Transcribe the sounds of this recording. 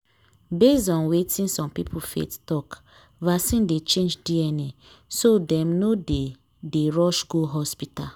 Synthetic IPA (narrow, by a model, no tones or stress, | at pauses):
bezɔ̃nwetĩnsɔ̃mpipʰufḛttɔk | vasĩndet͡ʃẽnd͡ʒdiɛni | sodɛ̃mnode | deɹɔʃɡoɦɔspital